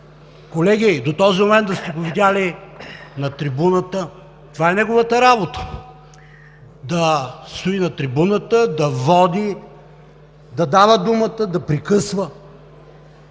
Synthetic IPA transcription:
kolɛɡʲid̪ot̪ɔzimomɛnt̪d̪ɐst̪ɛɡovid̪ʲali | nɐt̪ɾibunət̪ə | t̪ovaɛnɛɡovət̪əɾabot̪ə̥ | d̪ɐst̪oinɐt̪ɾibunət̪əd̪ɐvɔd̪i | d̪ɐd̪avəd̪umət̪əd̪ɐpɾikɤsvə

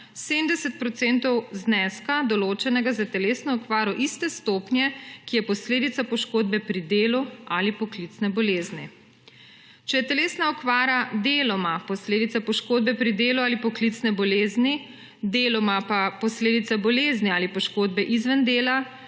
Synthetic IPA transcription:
semd̪ɛsɛt̪̚pɾɔt̪sent̪ɔwznɛskad̪ɔloːt͡ʃɛnɛɡazat̪ɛleːsnɔɔkʋaːɾɔʔist̪ɛst̪oːpnjɛkijɛpɔsleːd̪it̪sapɔʃkoːd̪bɛpɾid̪eːlualipɔklit̪snɛbɔleːzni | t͡ʃɛjɛt̪ɛleːsnaɔkʋaːɾad̪eːlɔmapɔsleːd̪it̪sapɔʃkoːd̪̚bɛpɾid̪eːluaːlipɔklit̪snɛbɔleːzni | d̪eːlɔmapapɔsleːd̪it̪sabɔleːzniaːlipɔʃkoːd̪bɛʔizʋənd̪eːla

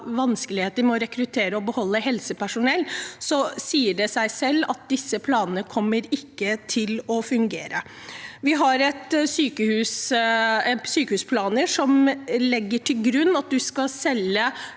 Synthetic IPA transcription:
ʋɑnskəlɪheːt̪əɾmɛɔɾɛkɾʉt̪ʰeːɾəɔbəhɔlːəhɛlsəpʰæʂʊnɛlːsɔsiːəɖɛsæɪsɛlːɑt̪̚d̪ɪsːəpʰlɑːnənəkʰɔmːəɾɪkːət̪ʰɪlɔfʉŋɡeːɾə | ʋɪɦɑɾɛt̪syːkəhʉːs | syːkəhʉːspʰlɑːnəʂɔmlɛɡːəʈʰɪlɡɾʉnːɑt̪̚d̪ʉskɑsɛlːə

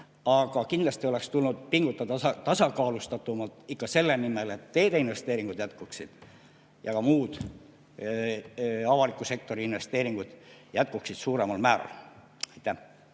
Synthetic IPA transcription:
ɑɡ̥ɑkind̪lɑst̪io̞le̞kst̪ulnud̪̥̚piŋɡ̥ut̪ːˑɑd̪ɑɑt̪ɑsɑkɑːlust̪ɑt̪ːumɑlt̪ˑikːɑse̞lːenime̞le̞t̪ːe̞ːd̪̥einve̞st̪e̞ːɾiŋɡ̥ud̪jæt̪kuksid̪̥ | jɑkɑmuːd̪̥ | ɑvɑlikːˑuse̞k̚t̪o̞ɾiinve̞st̪e̞ːɾiŋɡ̥ud̪̥jæt̪̚kuksid̪̥suːɾe̞mɑlmæːɾɑ̰l | ɑjt̪ˑːæh

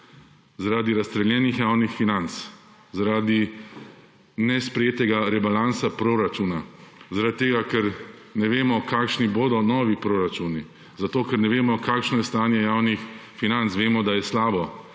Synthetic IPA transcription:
zaɾaːd̪iɾast̪ɾɛljɛːnixjawnixfinant̪s | zaɾaːd̪i | nɛspɾɛjeːt̪ɛɡaɾɛbalansapɾoɾat͡ʃuːnazaɾat̪̚t̪ːeːɡakɛɾnɛʋeːmɔkaːkʃniboːd̪ɔnɔːʋipɾoːɾat͡ʃuni | zat̪oːkɛɾnɛʋeːmɔkaːkʃnɔjɛst̪aːnjɛjaːwnixfinant̪sʋeːmɔd̪ajɛslaːbɔ

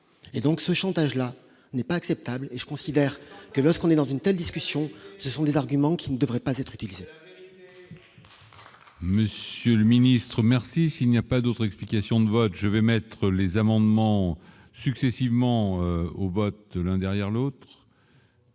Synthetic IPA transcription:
ed̪ɔ̃ksəʃɑ̃t̪aʒla | nɛpaːksɛp̚t̪ableʒə̥kɔ̃sid̪ɛʁkəlɔʁskɔ̃nɛd̪ɑ̃zynt̪ɛld̪iskʲysjɔ̃səsɔ̃d̪ezaʁɡʲymɑ̃kʲʰinəd̪əvʁɛpazɛt̪χyt̪ilize | məsjøləminist̪χəmɛʁsisilnijapad̪ot̪χɛksplikʲasjɔ̃d̪əvɔt̪ʒəvɛmɛt̪χəlezamɑ̃d̪mɑ̃ | syksɛsivmɑ̃ovɔt̪lɛ̃d̪ɛʁjɛʁlot̪χ

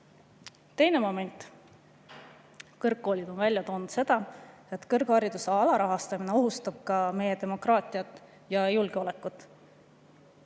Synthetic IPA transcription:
t̪e̞jne̞mo̞me̞nʲt̪ˑ | kɤrkːo̞ːlʲid̪̥o̞nvælʲjɑt̪oːnud̪se̞d̪̥ɑe̞t̪ːˑkɤrɡ̥hɑɾid̪useɑlɑɾɑɦɑst̪ɑmine̞o̞ɦust̪ɑb̥̚kɑme̞jːet̪emo̞krɑːt̪ʲˑiɑt̪ːˑ | jɑjulɡ̥e̞o̞lekːˑut̪ːˑ

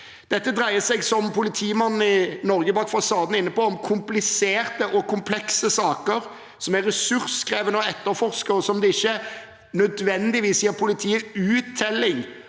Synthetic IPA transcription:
d̪̥ɛt̪ːəd̪ɾæɪəsɛɡsɔmpʰʊlɪt̪ʰiːmɑnn̩ɪnɔɾɡəbɑːkfɑsɑːd̪n̩ɪnːəpɔɔmkʰʊmplɪseːɾt̪əʔɔkʰʊmpʰlɛksəsɑːkəɾ | sɔmæʁɛsʉɾskɾeːʋənəɔɛt̪ːəɾfɔʁskəɔsɔmd̪ɛɪçːə | nœd̪ʋɛnd̪ɪʋiːsjiːəɾpʰʊlɪt̪ʰiːəʉːt̪ʰːɛlːɪŋ

